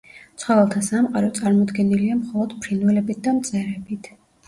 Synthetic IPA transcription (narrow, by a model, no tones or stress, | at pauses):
t̪sʰχwɔvɛlˠt̪ʰasamqʼaɾɔt̪sʼaɾmɔd̪ɡɛniliamχɔlˠɔd̪̥pʰɾinvɛlɛbit̪̚d̪amt̪sʼɛɾɛbit̪ʰ